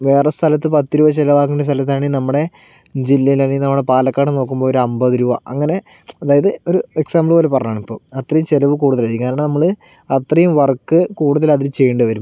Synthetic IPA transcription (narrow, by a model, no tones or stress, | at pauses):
ʋe̞ːrest̪ʰɐlɐt̪ːɨpɐt̪ːiɾuːʋɐt͡ɕelɐʋaːkːuɳɖest̪ʰɐlɐt̪̬ːaːɳinɐmːuɽe̞ | d͡ʑilːɐjilaːɳinɐmːuɽepaːlɐkːaːɳɨno̞ːkːumboːoɾuɐmbɐðiɾuːʋɐʔɐŋːɐne̞ | ɐðaːjɐðɨoɾueksaːmbɭbo̞ːlepɐrɐɲaːɳipːo̞ːɐt̪ːrɐjumt͡ɕelɐʋɨkuːɽuðɐlaːɾikʲːnaːnaːɳɨnɐmːɐɭɨ | ɐt̪rɐjumʋɐrkːɨkuːɽuðɐlɐðilt͡ɕe̞jːɳɖɨʋɐɾum